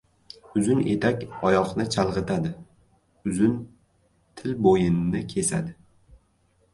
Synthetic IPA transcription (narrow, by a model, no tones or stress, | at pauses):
ʊzʊne̞̰t̪ʰakʲɒjɒqnɪt͡ʃʰalˠʁɨt̪ʰad̪ɪ | ʊzʊn | t̪ʰɪlbojɪnːɪkʲʰe̞sa̰d̪ɪ